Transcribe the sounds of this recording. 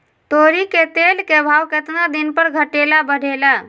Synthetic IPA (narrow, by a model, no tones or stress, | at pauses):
t̪oɾiket̪elkebʱawket̪nad̪inpəɾɡʱəʈelabəɽ̤ʱela